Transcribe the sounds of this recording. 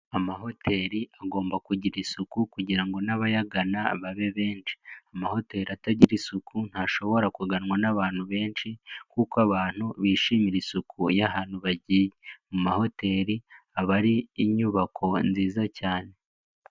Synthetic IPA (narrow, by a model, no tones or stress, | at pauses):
amaɦo̞tʰe̞ːɾiaɡo̞ːmbakuɟiɾisukukuɟiɾaŋɡo̞naβajaɡanaβaβe̞βe̞ːnʃi̥amaho̞te̞ːɾiataɟiɾisukʰun̥haʃo̞βo̞ɾakuɡanŋwanaβaːn̥huβe̞ːnʃikuːkwaβaːn̥huβiːʃiːmiɾisukʰujaɦaːn̥uβaɟiːjemumaho̞te̞ːɾiaβaɾiːɲuβakʰo̞nziːzacaːne̞